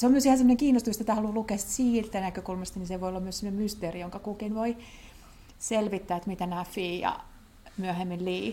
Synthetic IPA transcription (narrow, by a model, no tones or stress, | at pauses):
seomyøsihæsemoneŋkiːnːost̪umist̪ot̪æhɑlulukeɑsi̥t̪siːlt̪ːænækøkulmɑst̪ɑniseʋoiolːɑmyøsemːonemyst̪eːrijoŋkɑkukinʋoi | selʋit̪ːæːet̪mit̪ænæːfiːjɑ̰ | myøhemːilliː